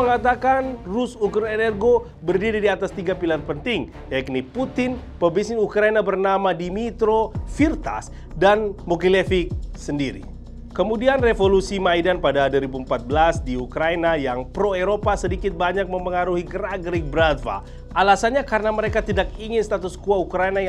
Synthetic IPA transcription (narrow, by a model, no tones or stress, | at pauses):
əŋat̪akanrusukɾenɛrɡo | bərdiɾidiat̪ast̪iɡapilarpənt̪ɪŋ | jaik̚niput̪ɪn | pəbisɪnukɾainabərnamadimit̪ɾofirt̪a̰s | danmokilefik̚səndiɾḭ | kəmudianrefolusimajdanpadaduɾibuəmpat̪̚bəlasdiukɾainajaŋpɾoeɾopasədikɪt̪̚baɲak̚məmpəŋaɾuhiɡəɾaɡɾik̚bɾat̪va̰ | ʔalasanɲakaɾənaməɾekat̪idakiŋɪnst̪at̪uskuaukɾajna